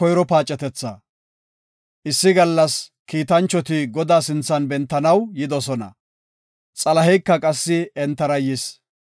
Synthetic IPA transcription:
ɔjɾɔpaːt͡ʃʼːɛt̪ɛt͡sːɐ | ʔɪsːɪɡɐlːɐskiːt̪ɐnt͡ʃːɔt̪ɪɡɔd̪aːsɪnt͡sːɐnbɛnt̪ːɐnɐwjɪd̪ɔsɔnɐ̰ | t͡sʼɐlɐɦɛjkːɐkʼɐsːɪɛnt̪ːɐɾɐjɪs

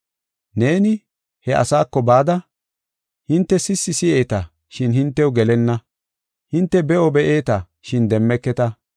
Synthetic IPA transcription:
ne̞ːnɪ | hɛʔɐ̰saːkːɔbaːd̪ɐ | hɪnt̪ːɛsɪsːɪsɪʔe̞ːt̪ɐ | ʃɪnhɪnt̪ːɛwʊɡɛlɛnːɐ | hɪnt̪ːɛbɛʔɔbɛʔe̞ːt̪ɐ | ʃɪnd̪ɛmːɛkːɛt̪ɐ

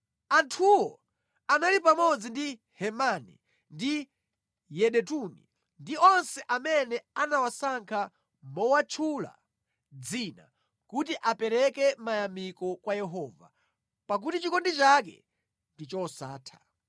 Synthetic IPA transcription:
antʰuwɔ | analipamɔd͡zindi | hɛmanḭ | ndi | jɛɗɛtuni | ndiɔnsɛʔamɛnɛanawasaŋkʰa | mɔwat͡ʃʰula̰ | d͡zina̰ | kutiʔapɛɾɛkɛmajamikɔkwajɛɦɔːva̰ | pak̬utit͡ʃikɔndit͡ʃakɛ̰ | ndit͡ʃɔsa̰ːtʰḁ

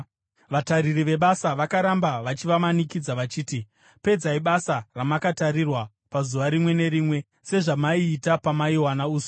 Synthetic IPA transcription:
ʋataɾiriʋe̞ɓasaʋakaɾambaʋat͡ʃiʋamanikid͡zaʋat͡ʃiːti | pe̞d͡zaiɓasaramakataɾirwa | pazuʋaɾimwe̞ne̞ɾiːmwe̞ | se̞ʐamaiːtapamaiwanauːso̥

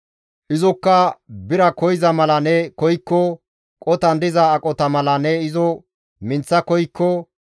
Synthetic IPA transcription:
ʔɪzɔkːɐbɪɾɐkɔjɪzɐmɐlɐnɛkɔjkːɔ | kʼɔt̪ɐnd̪ɪzɐːkʼɔt̪ɐmɐlɐnɛɪzɔ | mɪnt͡sːɐkɔjkːɔ

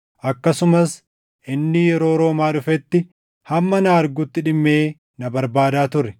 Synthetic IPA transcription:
ʔɐkːɐsʊmɐs | ʔɪnːɪjɛɾo̞ːɾo̞ːmaːᶑʊfɛt̪ːɪ | hɐmːɐnɐɐɾɡʊt̪ːɪᶑɪmːe̞ː | nɐbɐɾbaːd̪aːt̪ʊrːɛ̥

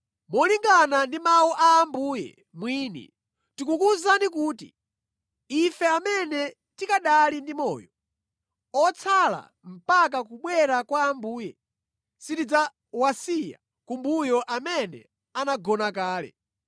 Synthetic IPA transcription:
mɔliŋɡanandimauʔaːmbujɛ̰ | mwiːnḭ | tikukuzanikuːtḭ | ifɛamɛnɛ | tikaɗalindimɔ̰ːjɔ | ɔt͡sʰala̰ | m̩pak̬akuɓwɛɾakwaːmbuːjɛ | sitid͡za | wasija̰ | kumbujɔʔamɛnɛ̰ | anaɡɔnakaːlɛ̰

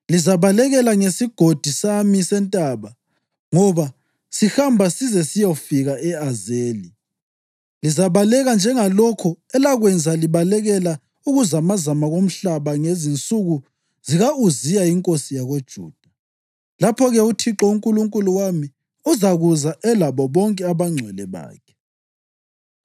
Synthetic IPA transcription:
lizaβalɛɣɛlaŋesiɡ̥ʱod̥ʱisamisɛntʼaβa | ŋɔβa | sihambʱasizɛsijofiɣaʔɛazeːli | lizaβalɛɣand͡ʒʱɛŋalɔkʰɔɛlaɣwɛnd͡zʱaliβalɛɣɛla | uɣuzamazamaɣom̩ɬaβaŋezint͡sʼuɣu | ziɣauzijaiŋkʼosijaɣod̥ʒ̥ʱṵːd̥ʱa | lapʰɔɣɛutʰiǁɔuŋkʼuluŋkʼuluwami | uzaɣuzaʔɛlaβɔβɔŋkʼɛaβaŋ͡ǀʱwɛlɛβa̰ːkʰɛ̥

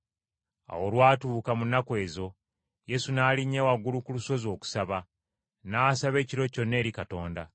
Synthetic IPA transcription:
a̰wolwaːtuːkamunːakwe̞ːzo̞ | je̞sunaːliɲːewaɡːulukuluso̞zo̞ːku̥saβa | naːsaβe̞ːciɾo̞co̞nːe̞ːɾikato̞ːnda

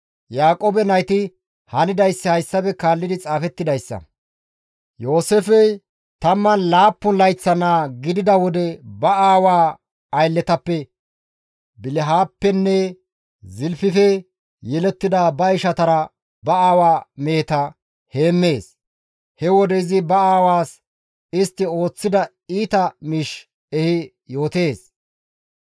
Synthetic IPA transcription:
jaːkʼoːbɛnɐjt̪ɪ | hɐnɪd̪ɐjsːɪhɐjsːɐbɛkaːlːɪd̪ɪt͡sʼaːfɛt̪ːɪd̪ɐjsːɐ̰ | jo̞ːsefɛj | t̪ɐmːɐnlaːpːʊnlɐjt͡sːɐnaːɡɪd̪ɪd̪ɐwɔd̪ɛbɐaːwaː | jlːɛt̪ɐpːɛ | bɪlɪɦaːpːɛnːɛ | zɪlfɪfɛ | jɛlɛt̪ːɪd̪ɐbɐɪʃɐt̪ɐɾɐ | bɐaːwaːmeːt̪ɐ | he̞ːmːe̞ːs | hɛwɔd̪ɛɪzɪbɐaːwaːs | ɪst̪ːɪo̞ːt͡sːɪd̪ɐ | iːt̪ɐmiʃ | ɛhɪ | jo̞ːt̪e̞ːs

